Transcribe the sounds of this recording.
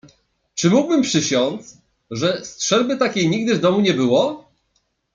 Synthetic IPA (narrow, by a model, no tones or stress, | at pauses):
t͡ʂɘmuɡ̚bɘmpʂɘɕɔnt̪s | ʐɛstʂɛlbɘt̪akʲejɲiɡ̚d̪ɘvd̪ɔmuɲɛbɘwɔ